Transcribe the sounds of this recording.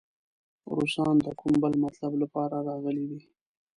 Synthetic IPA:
ɾṵsɑnd̪əkʊmbəlmat̪lablapɑɾaɾɑɣəliw̪i

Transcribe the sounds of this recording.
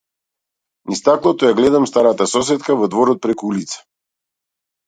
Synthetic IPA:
nist̪aklˠɔt̪ɔjaɡlɛd̪amst̪aɾat̪asɔs̬ɛt̪kavɔd̪vɔɾɔt̪̚pɾɛkuulit̪sḁ

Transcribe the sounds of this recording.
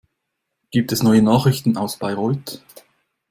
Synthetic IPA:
ɡ̥iːp̚tɛsnɔʏənaːχʁɪçtn̩aʊsb̥aɪʁɔʏt

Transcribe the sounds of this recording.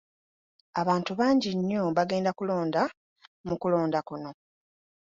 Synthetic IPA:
aβaːntuβaːɲɟiɲːo̞βaɡe̞ːndakulo̞ːnda | mukulo̞ːndakuno̞

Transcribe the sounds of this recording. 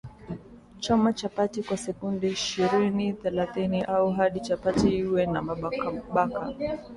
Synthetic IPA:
t͡ʃɔmat͡ʃapatikwasɛkundɛiʃiɾiniθɛlaθiniʔauɦaɗit͡ʃapatɛiwɛnamaakaɓaka

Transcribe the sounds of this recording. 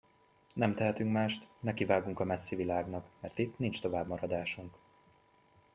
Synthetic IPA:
nɛmt̪ɛɦɛt̪yŋkmaːʃt̪nɛkivaːɡuŋkɒmɛsːivilaːɡnɒkmɛrt̪it̪ːnint͡ʃt̪o̞vaːbmɒɾɒd̪aːʃuŋk

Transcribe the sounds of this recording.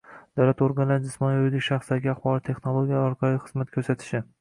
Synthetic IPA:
d̪̥awlat̪oɾɡanlaɾɪd͡ʒɪsmɒnjojɪd̪ɪkʲʃaχsd̪aɡʲɪaχbɒlˠɪt̪ʰe̞χnolˠoɡʲijaɒɾqʰɑɾijχɨzmat̪kʰɵɾsat̪ʰɪ̥ʃɪ

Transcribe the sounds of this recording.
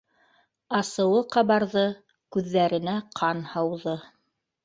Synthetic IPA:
ɑsɤ̆wɤqɑβɑɾðɤ | kʉðːæɾɘ̆næqʰɑnhɑwðɤ

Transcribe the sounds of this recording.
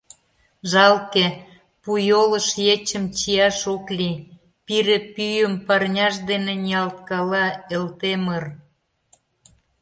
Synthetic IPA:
ʒɑlke | pujolə̆ʃjet͡ɕə̆mt͡ɕijɑʃoklʲi | piɾepyjəmpɑrnʲɑʃ̬d̪enenʲiɑlt̪̚kɑlɑelt̪emər

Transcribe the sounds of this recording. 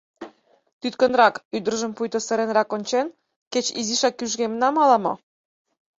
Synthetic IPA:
t̪yt̪kə̆nɾɑkyd̪ə̆rʒə̆mpujt̪osə̆ɾenɾɑkonʲt͡ɕen | ket͡ɕiziʃɑkyʒɣemnɑmɑlɑmo̰

